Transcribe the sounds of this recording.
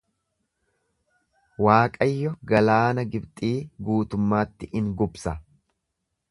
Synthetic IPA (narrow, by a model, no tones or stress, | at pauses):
waːkʼɐjːɔɡɐlaːnɐɡɪbt̪ʼiːɡuːt̪ʊmːaːt̪ːɪʔɪŋɡʊbsɐ